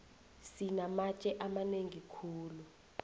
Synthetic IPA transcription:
sinamat͡ʃʼɛʔamaneŋikʰuːlu

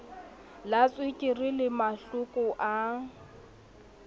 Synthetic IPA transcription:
lat͡sʼwɪkʼɪrilɪmaɬʊkʼʊʔa

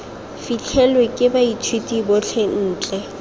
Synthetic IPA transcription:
fit͡ɬʰɛlwekʼɪbait͡ʃʰwetʼibɔt͡ɬʰɛn̩ːt͡ɬʼɛ

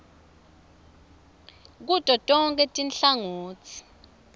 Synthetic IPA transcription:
k̬utʼɔtʼɔŋkʼɛtʼinɬaŋoːt͡sʰi̥

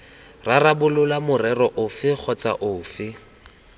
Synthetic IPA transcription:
rarabʊlʊlamʊrɛrɔʔʊfɪk͡xʰɔt͡sʼa̰ʔʊːfɪ

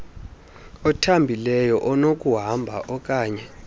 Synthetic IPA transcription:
ɔtʰambʱilɛjɔʔɔnokʼuɦambʱa̰ʔɔkʼaːɲɛ

